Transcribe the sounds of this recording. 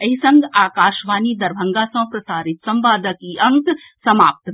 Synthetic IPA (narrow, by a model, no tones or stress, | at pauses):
ɐɦisɐ̃ŋɡaːkaːʃʋaːnid̪ɐɾbʱɐ̃ŋɡaːsɐ̃pɾɐsaːɾɪt̪sɐ̃mʋaːd̪əkiɐ̃ŋk̪ | sɐma̰ːp̚t̪